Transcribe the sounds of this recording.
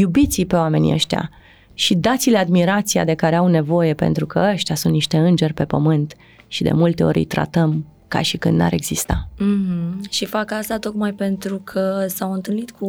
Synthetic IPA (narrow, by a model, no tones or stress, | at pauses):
jubit̪sipe̞oame̞nʲḭə̰ʃt̪ja̰ | ʃid̪at̪sile̞ad̪miɾat̪sia̰d̪e̞kaɾe̞awne̞vo̞je̞pe̞̰nt̪ɾukə̰əʃt̪jasunt̪niʃt̪e̞ɨnd͡ʒe̞rʲpe̞pəmɨnt̪ | ʃid̪e̞̰mult̪e̞o̞̰ɾʲḭjt̪ɾa̰t̪əm | ka̰ʃikɨnd̪na̰ɾe̞ɡz̥ist̪am̩h̩ʃifakast̪at̪o̞kmajpe̞nt̪ɾukʰəsawɨnt̪ɨlnit̪kʰu